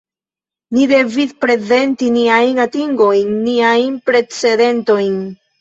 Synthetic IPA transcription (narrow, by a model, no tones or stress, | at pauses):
nide̞vispɾe̞ze̞ntiniajnatiŋɡo̞jnːiajnpɾe̞t͡se̞de̞nto̞jn